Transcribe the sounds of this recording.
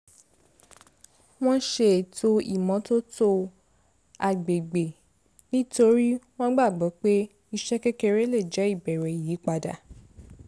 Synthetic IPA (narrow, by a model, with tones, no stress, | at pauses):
w̃ɔ̃˦ʃe˧˨to˧ḭ˨mɔ̃˨˦to˦to˧ | a˨ɡ͡be˨ɡ͡be˨ | nĩ˦to˧ɾi˦w̃ɔ̃˦ɡ͡ba˦˨ɡ͡bɔ˨˦k͡pe˦ | i˧ʃɛ˦kɛ˦kɛ˧ɾe˦le˦˨d͡ʒɛ˨˦i˦˨bɛ˨ɾɛ˨ji˨˦k͡pa˧da̰˨